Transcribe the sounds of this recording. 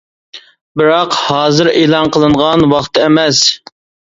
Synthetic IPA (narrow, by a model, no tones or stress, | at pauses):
bɪɾɑqhɑːzɨɾeːlˠɑnqʰəlˠɨɴʁɑnwɑχt̪ʰɨɛmɛs